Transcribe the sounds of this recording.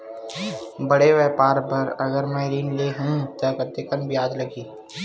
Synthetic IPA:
bɐɽeʋɛːpaːɾbɐɾɐɡəɾmɛːɾiːnleːɦũt̪akət̪ekənbjaːd̪lɐɡiː

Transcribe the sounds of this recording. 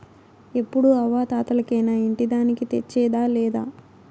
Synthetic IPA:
e̞pːuɽuɐʋaːt̪aːt̪ɐlɐkɛːnaːiɳʈid̪aːnikit̪et͡ʃːɛːd̪aːlɛːd̪aː

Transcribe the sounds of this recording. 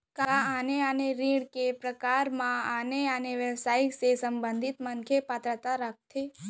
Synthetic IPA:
kaaneaneɾiɽkepɾəkaɾmãaneaneʋəʋsaiksesəmbənd̪ʱit̪mənkʰepat̪ɾət̪aɾak̚t̪ʰe

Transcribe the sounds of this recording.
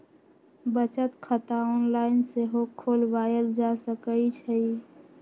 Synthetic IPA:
bət͡ʃət̪kʰət̪aɔnlaɪnseɦokʰːolbajəld͡ʒasəkəjt͡ʃʰəi

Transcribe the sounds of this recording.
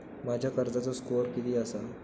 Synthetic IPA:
mad͡ʑʱjakəɾd͡zat͡səskoɾkit̪iːəsa

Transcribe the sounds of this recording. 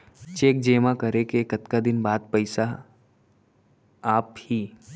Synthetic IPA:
t͡ʃeːk̚d͡ʒeːmãkɐɾekekɐt̪kad̪ɪnbaːd̪̚pɐɪsa | aːphiː

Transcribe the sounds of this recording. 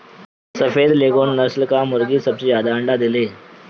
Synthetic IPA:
səfed̪leɡonːəslkamoɾɡiːsəbsejad̪aəɳɖad̪ile

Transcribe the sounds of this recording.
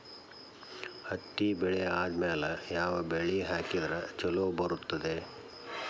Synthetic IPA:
hɐt̪ːibɛɭɛjɐaːd̪mɛɐlɐjaːʋɐbeɭiɦaːkid̪ɐɾɐt͡ʃɐloːbɐɾut̪ːɐd̪e

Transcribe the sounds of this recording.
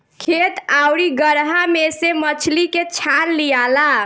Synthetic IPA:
kʰet̪awɾiɡəɾɦamesemət͡ʃʰliket͡ʃʰanlijala

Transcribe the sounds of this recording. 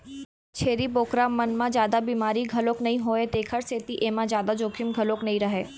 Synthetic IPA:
t͡ʃʰeːɾiboːkɾamɐnmãd͡ʒjaːd̪abiːmaːɾiɡʱɐloːknɐɦĩɦoːet̪eːkʰəɾseːt̪iʔeːmãzjaːd̪ad͡ʒoːkʰɪmɡʱɐloːknɐɦĩɾɐɦeː

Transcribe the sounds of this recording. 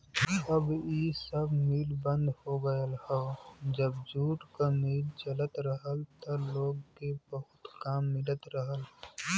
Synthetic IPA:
əbiːsəbmiːlbə̃nd̪hoɡəjəlhɛd͡ʒəbd͡ʒuːʈkamiːlt͡ʃələt̪ɾəɦəlt̪oloːɡkebəɦʊt̪kaːmːɪlət̪ɾəɦəl

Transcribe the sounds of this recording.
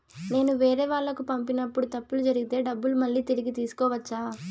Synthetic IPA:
ne̞ːnuʋeːɾɛːʋaːɭːɐkupɐmpinɐpːuɽut̪ɐpːulud͡ʒɐɾiɡit̪e̞ːɖɐbːulumɐɭːiːt̪iɾiɡit̪iːsu̥kɔːʋɐt͡ʃːaː

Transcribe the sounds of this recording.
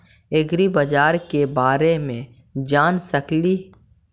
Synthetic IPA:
ɪɡɾibəd͡ʒaːɾkebaːɾemẽ | d͡ʒaːnsəkli

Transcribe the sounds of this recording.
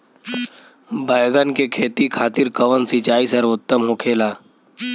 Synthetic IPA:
bʱaːjɡənkekʰeːt̪ikʰaːt̪ɪɾkəʋənsit͡ʃaːisəɾʋʊt̪ːəmɦokʰeːlaː

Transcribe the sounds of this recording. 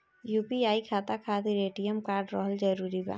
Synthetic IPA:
jupiaːikʰat̪akʰat̪iɾeːʈijəmkaːɾɖɾəɦəld͡ʒəɾuɾiba̰ː

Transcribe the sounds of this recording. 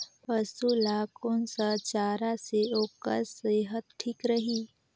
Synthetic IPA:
pəsulaːkonsət͡ʃaːɾaseoːkə̰ɾseːɦət̪ʈʰiːkɾəɦiː

